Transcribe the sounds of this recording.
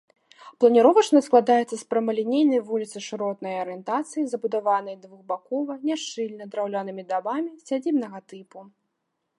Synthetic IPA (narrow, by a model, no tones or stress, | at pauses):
plˠɐnʲiɾɔvɐt͡ʂnɐsklˠad̪ajɛt̪sɐspɾɐmɐlʲinʲejnɐjvulʲit̪sɨʂɨɾɔt̪nɐjɐɾɨjɛnt̪at̪sɨjizɐbud̪avanɐjd̪vuɣbakɔvɐnʲaʂt͡ʂɨlʲnɐd̪ɾawlʲanɨmʲid̪abamʲisʲad͡zʲibnɐɣɐt̪ɨpu